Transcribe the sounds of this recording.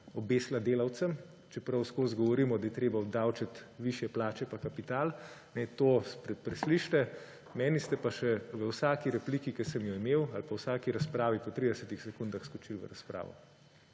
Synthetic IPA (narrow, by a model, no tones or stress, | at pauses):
ɔbeːslad̪eːlawt̪səm | t͡ʃɛpɾɐwskoːzɡɔʋɔɾiːmɔd̪ajɛt̪ɾeːbaɔd̪awt͡ʃat̪ʋiʃjɛplaːt͡ʃɛpakapit̪aːlnɛt̪oːspɾɛpɾɛsliʃt̪ɛ | mɛːnist̪ɛpaʃɛʋəwsaːkiɾɛpliːkikəsɛmjɔimeːwalpawsaːkiɾaspɾaːʋipɔt̪ɾid̪ɛsət̪ixsɛkund̪axskɔt͡ʃilʋə̰ɾaspɾa̰ːʋɔ̰